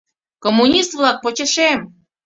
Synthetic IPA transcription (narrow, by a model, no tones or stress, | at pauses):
komːunʲist̪vlɑk̚pot͡ɕə̆ʃem